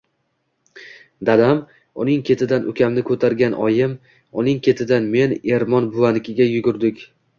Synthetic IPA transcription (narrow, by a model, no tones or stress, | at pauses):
d̪ad̪am | ʊnɪŋkʲʰe̞t̪ʰɪd̪anʔʊkʲʰamnɪkʰɵt̪ʰaɾɡʲanʔɒjɪm | ʊnɪŋkʲʰe̞t̪ʰɪd̪anme̞ne̞ɾmɒnbʊanɪkʲʰɪɡʲajʊɡʲʊɾd̪ɪkʲ